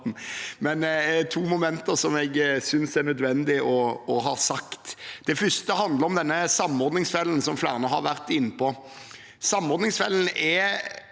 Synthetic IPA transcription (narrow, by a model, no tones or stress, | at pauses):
mɛnæt̪ʰuːmʊmɛnt̪əɾsɔmɛɡsʏnsænœd̪ʋɛnd̪ɪɔɔɦɑːsɑkt̪d̪̥ɛfʏst̪əɦɑnd̪əɾɔmd̪ɛnːəsɑmːɔɾd̪nɪŋsfɛlːənsɔmflæ̰ːʁnəɦɑɾʋæɾt̪ɪnːəpɔ | sɑmːɔɾd̪nɪŋsfɛlːn̩ɛ